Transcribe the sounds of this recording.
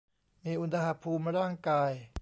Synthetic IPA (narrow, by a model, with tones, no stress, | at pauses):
miː˧ʔu˧nsa˧ha˧˩pʰuː˧mɾaː˥˩ŋkaː˧j